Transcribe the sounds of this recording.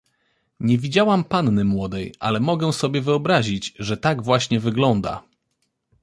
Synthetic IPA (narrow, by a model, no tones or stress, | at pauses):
ɲɛvʲid͡ʑawampanːɘmwɔd̪ɛjʔa̰lɛmɔɡɛsɔbʲjɛvɘɔbɾaʑid͡ʑʐɛt̪aɡvwaɕɲɛvɘɡlɔnd̪a̰